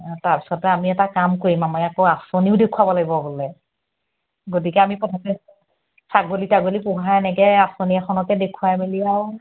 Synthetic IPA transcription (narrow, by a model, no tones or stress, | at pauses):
taɹpi̥sɔtɛamiɛtakamkoɹimamɔjakoasoniʊdekʰuwabɔlaɡibɔbolɛ | ɡotikɛamikɔtʰapɛ | saɡolitaɡolipʊɦaɛnɛkɛasoniɛxʰɔnɔkɛdekʰuwameliaw